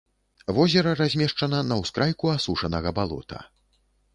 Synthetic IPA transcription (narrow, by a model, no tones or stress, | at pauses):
vɔzʲɛɾɐrazʲmʲɛʂt͡ʂɐn̪ɐnɐwskɾajkuasuʂɐnɐɣɐbalˠɔ̰t̪ʰɐ̰